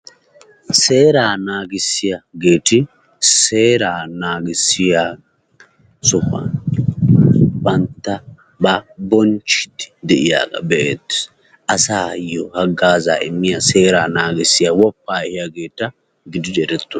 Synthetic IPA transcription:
se̞ːɾaːnaːɡɪsːɪjɐɡeːt̪ɪ | se̞ːɾaːnaːɡɪsːɪjaː | sɔhɐ̰n | bɐnt̪ːɐ | bɐbɔnt͡ʃɪ̥t̪ːɪ̥d̪ɛʔɪja̰ːɡɐ̰bɛʔḛːt̪ːɪ̥s | ʔɐsaːjɔhɐɡːaːza̰ːʔɪmːɪjase̞ːɾaːnaːɡɪsːɪjawɔpːaːɛhɪjaɡe̞ːt̪ːɐ | ɡɪd̪ɪd͡ʒɛɾɛt̪ːʊ

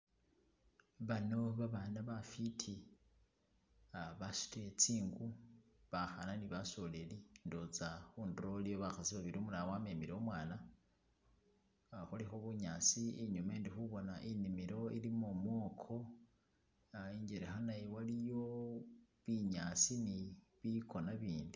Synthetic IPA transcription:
βano̞βaβaːnaβafitʰi | aβasi̥tet͡siːŋɡuβaxananiβaso̞lelindot͡saxuːndɾolijoβaxasiβaβiɾiomulawame̞miɾeomwaːna | xulixoβuɲaːt͡sieɲumaeːndixuβo̞naʔinimiɾo̞ḭlimomwo̞ːkʰo̞ | iɲɟeɾexanajewalijo̞ | βiɲat͡siniβikʰo̞naβiːndi

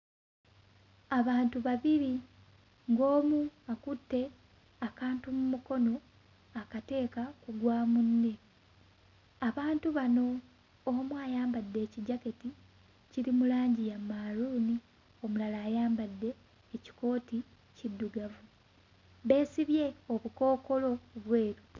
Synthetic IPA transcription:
aβaːntuβaβiɾi | ŋɡo̞ːmuakutːe̞ | akaːntumumuko̞no̞ | akate̞ːkakuɡwaːmunːe̞ | aβaːntuβano̞ː | mwaːjaːmbadːe̞ːciɟake̞ti | ciɾimulaːɲɟijamːaɾuːni | o̞mulalaːjaːmbadːe̞ː | ci̥ko̞ːti | cidːuɡavu | βe̞ːsiβje̞o̞βuko̞ːko̞lo̞βwe̞ːɾu

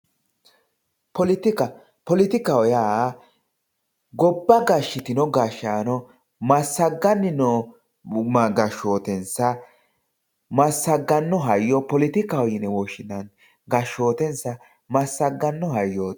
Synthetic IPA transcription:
pɔlɪt̪ɪkɐ | pɔlɪt̪ɪkɐwɔjaː | ɡɔbːɐɡaʃːɪt̪ɪnɔɡaːʃaːnɔ | mɐsːɐɡːɐnːɪnɔ | mɐɡɐʃoːt̪ɛnsɐ | mɐsːɐɡːɐnːɔɦɐjːɔpɔlɪt̪ɪkɐwɔjɪnɛwɔʃɪd̪ɐn | ɡɐʃo̞ːt̪ɛnsɐ | mɐsːɐɡːɐnːɔɦɐjːoː

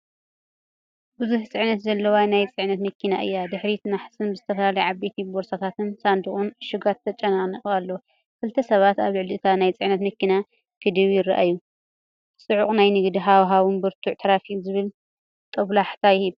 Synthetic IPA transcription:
bɨzuħt͡sʼɨʕnɐt̪zɐlːɐwanajt͡sʼɨʕnɐt̪mɐkʰːinaʔɨ̰jːad̪ɨħɾit̪ʰnaħsɨnbɨzɨt̪ʰɐfɐlalɐjʕabe̞t̪ʰiboɾsat̪ʰat̪ʰɨnsand̪ɨχʼunʃɨɡat̪ʰːɐt͡ʃʼɐnaniχʼalːow | kʰɨlt̪ʰɐsɐβat̪aβlɨʕliɨt̪ʰanajt͡sʼɨʕnɐt̪mɐkːina | kʰɨd̪ɨβjɪraʔajːu | sʼɨʕuχʼnajnɨɡd̪iɦawɦaβɨnbɨɾt̪ʰuʕt̪ʰɐɾafizɨβɨl | t̪ʼɐβlaħt̪ʰajɪhɨβ

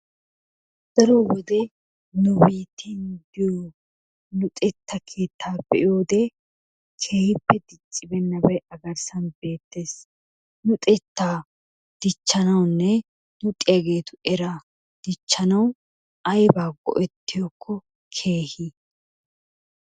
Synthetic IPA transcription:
d̪̥ɐɾowɔd̪ɛ | nʊbiːt̪ʰːɪnd̪ɪjoː | nʊt̪ʼɛt̪ːɐkʰe̞ːt̪ʰːaːbɛʔjoːd̪ɛ | kʰe̞ːhɪpːɛd̪ɪt͡ʃʼːɪbɛnːɐbɐjʔɐɡɐɾsɐnbe̞ːt̪ːe̞ːs | nʊt̪ʼɛt̪ːaː | d̪̥ɪt͡ʃːɐnɐwnːɛ | nʊt̪ʼɪjɐɡe̞ːt̪ʊɛɾɐ | d̪̥ɪt͡ʃːɐnɐw | ɐjbaːɡɔ̰ʔɛt̪ːɪjokʰːɔ | kʰe̞ːhi

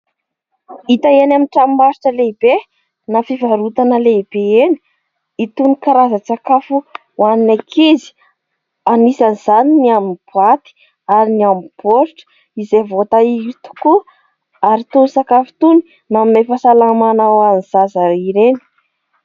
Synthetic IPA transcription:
it̪aenaminʈ͡ʂammasi̥ʈ͡ʂəleib̥e | nafivaɾut̪anəleib̥eeni̥ | it̪unikaɾazət͡sakafu | waninakʰezi̥ | anisanizaniniaminb̥uat̪i̥ | aɾiniamb̥oɾʈ͡ʂə̥ | izevot̪aiit̪u̥ku | aɾit̪unisakafi̥t̪uni | naminafasalamanaaniz̥azaiɾeni̥

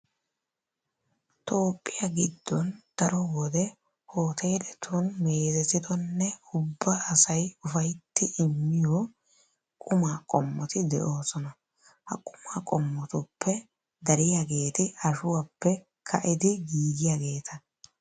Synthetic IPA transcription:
t̪o̞ːpʼːɪjaɡɪd̪ːɔnd̪̥ɐɾɔwɔd̪ɛ | ho̞ːt̪ʰeːd̪ɛt̪ʰunmeːzɛt̪ːɪd̪ɔnːɛʊbːaːsɐjʊfɐjt̪ːɪʔɪmːɪjo | kʼʊmaːkʼɔmːɔt̪ɪd̪ɛ̰ʔo̞ːsɔnɐ | hɐ̰kʼʊmaːkʼɔmːɔt̪ʊpːɛ | d̪ɐɾɪjaɡe̞ːt̪ɪɐʃʊwapːɛ | kʰɐʔɪd̪ɪɡiːɡ̪ɪjaɡe̞ːt̪ʰɐ

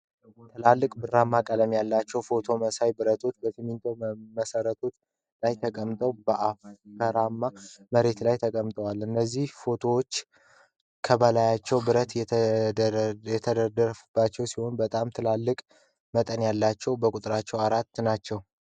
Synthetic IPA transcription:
t̪ʰɨlalːɨkʼbɨrːamːakʼələmjalːat͡ʃːɛwfo̞t̪ʰo̞məsajbɨɾət̪ʰo̞t͡ʃ̪bəsʰɨmint̪ʰowməsəɾət̪ʰo̞t͡ʃ̪ | lajt̪ʰəkʼəmt̪ʼəwbəʔafkʰəɾamːaməɾe̞t̪lajt̪ʰəkʼəmt̪ʼəwalɨnːəzːihfo̞t̪ʰo̞wot͡ʃː | kʰəbəlajat͡ʃːɛwbɨɾət̪jɛ | jɛt̪ʰəd̪əd̪əɾbːat͡ʃːɛwsiho̞nbət̪ʼamt̪ʰɨlalːɨkʼ | mət̪ʼənjalːat͡ʃːɛwbəkʼut̪ʼɨɾat͡ʃːɛwaɾat̪ːnat͡ʃːɛw

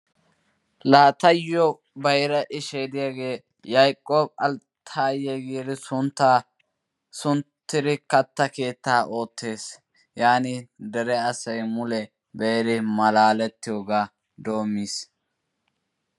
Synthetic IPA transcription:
laːt̪ɐjɔ | bɐjɾɐʔɪʃeːd̪ɪjaɡe̞ː | jɐjkʼːoːbɐlt̪ʰaːjɛɡɪdɪsʊnt̪ːa | sʊnt̪ːɪɾɪkɐt̪ːɐke̞ːt̪ːaːʔo̞ːt̪ːe̞ːs | jaːnɪd̪ɛɾɛɐsɐjmʊlɛ | bejɾɪmɐlaːlɛt̪ːɪjoːɡaː | d̪o̞ːmːiːs

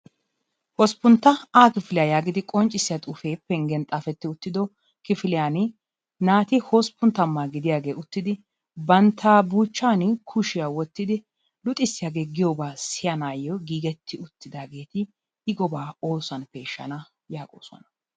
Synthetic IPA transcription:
hɔspʊnt̪ːɐaːkɪfɪlɪjaːjaːɡɪd̪ɪkʼɔnt͡ʃʼːɪsːɪjat̪ʼuːfe̞ːpːɛŋɡɛnt̪ʼaːfɛt̪ːɪʊt̪ːɪd̪ɔ | kɪfɪlɪjaːn | naːt̪ɪhɔspːʊnt̪ːɐmːaːɡɪd̪ɪjaːɡe̞ːʊt̪ːɪd̪ɪ | bɐnt̪ʰːaːbuːt͡ʃːaːnkʰʊʃɪjaːwɔt̪ːɪd̪ɪ | lʊt̪ʼːɪsːɪjaːɡe̞ːɡɪjoːbaːsɪjɐnaːjɔɡiːɡɛt̪ʰːɪʊt̪ːɪd̪aːɡe̞ːt̪ɪ | ɪɡɔbaːoːsɐnpeʃːɐ̰nɐ | jaːkʼo̰ːsɔ̰nɐ̥

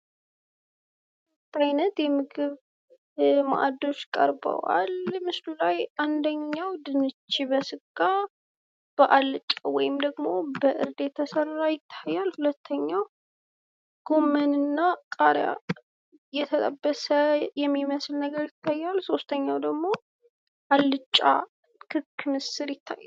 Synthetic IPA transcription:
t̪ajnət̪jɛmɨɡɨβ | ma̰ʔa̰d̪o̞t͡ʃːkʼə̰ɾbə̰wa̰lmɨslulajʔand̪əɲːawd̪ɨnɨt͡ʃːiβəsɨkʼːa | b̥əʔalt͡ʃʼwɔjɪmd̪əɡmo̞bəʔɨɾd̪e̞t̪ʰːəsərːajɪt̪ʰːajalhulət̪ʰːəɲːaw | ɡ̥omənɨnːakʼaɾja̰ | jɛt̪ʰət̪ʼəbːəsəjɛmːiməslnəɡəɾjɪt̪ʰːajːalso̞st̪ʰəɲːawd̪əɡmo̞ | ʔalːɨt͡ʃʼːa̰ | kʰɨkːmɨsɨɾjɪt̪ʰːa̰jːal

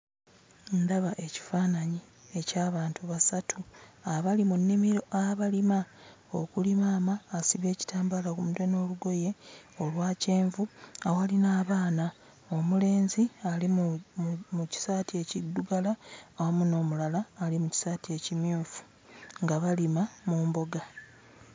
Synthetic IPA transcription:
ndaβaʔe̞ci̥faːnaɲi | e̞caːβaːntuβasatʰuaβalimunːimiɾo̞ʔaβalima | o̞kulimaːmaːsiβe̞ːci̥tʰaːmbalakumude̞no̞ːluɡo̞je̞olwaːce̞ːɱvuawalinaːβaːna | o̞mule̞ːnzialim | muci̥saːtie̞cidːuɡalaawamuno̞ːmulalaːlimuci̥saːtie̞cimjuːfu̥ | ŋɡaβalimamuːmbo̞ɡa

